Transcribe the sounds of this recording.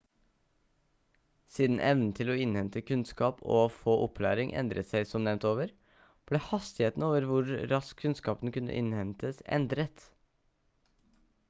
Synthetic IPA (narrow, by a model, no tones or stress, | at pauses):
siːd̪n̩ʔɛʋnn̩t̪ʰɪlɔːɪnhɛnt̪əkʰʉnskɑːpʰo̰ːfoːʔɔpʰlæ̰ːɾɪŋʔɛ̰nd̪ɾə̰t̪sæɪsɔmnɛʋnt̪oːʋəɾ | b̥leːhɑst̪ɪheːt̪n̩oːʋəɾʋʊɾɾɑskʰːʉnskɑːpən̩kʉnːə̰ʔɪ̰nhɛnt̪əsɛ̰nd̪ɾət̪